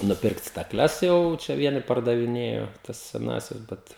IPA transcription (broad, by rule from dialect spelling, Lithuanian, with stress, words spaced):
nʊˈpʲɪrkt stɐˈklʲɛs ˈjɛʊ ˈt͡ʃʲɛ ˈʋʲiɛnʲɪ pɐrdɐʋʲɪˈnʲeːjoː ˈtɐs sʲɛˈnɑːsʲɛs ˈbʲɛt